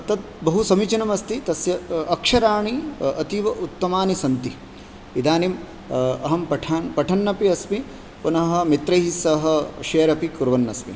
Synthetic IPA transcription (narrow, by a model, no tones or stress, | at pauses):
ɐt̪ɐt̪̚bɐɦusɐmit͡ʃɐnɐmɐst̪it̪ɐsjɐːkʂɐɾaːɳiɐt̪iʋɐʔut̪ːɐmaːnisɐnt̪i | id̪aːnim | ɐɦɐmpɐʈʰaːnpɐʈʰɐnːɐpiɐsmi | punɐɦɐ̆mit̪ɾɐjɦisɐɦɐ̆ʃeːɾɐpikuɾʋɐnːɐsmḭ